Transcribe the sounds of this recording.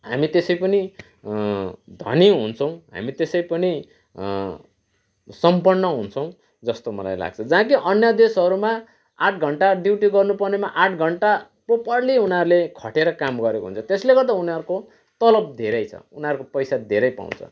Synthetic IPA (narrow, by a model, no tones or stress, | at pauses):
ɦamit̪esʌjpʌni | d̪ʱʌ̰niɦunt͡sʰʌ̃w̃ɦa̰mit̪esʌjpʌni | sʌmpʌnːʌɦunt͡sʰʌ̃w̃ | d͡zʌst̪omʌla̰jla̰ɡ̚t͡sʰʌd͡zãːkiʔʌnjʌd̪esɦʌɾuma | aʈʰɡʱʌɳʈaɖ̪iwʈiɡʌrnupʌrnemaʔaʈʰɡʱʌɳʈa | popʌrliunaɾulekʰʌʈeɾʌkamɡʌɾekoɦṵnt͡sʰʌt̪esleɡʌrt̪d̪aunaɾuko | t̪ʌlʌb̚d̪ʱeɾʌjt͡sʰʌ̰unaɾukopʌjsad̪ʱeɾʌjpa̰w̃nt͡sʰʌ̰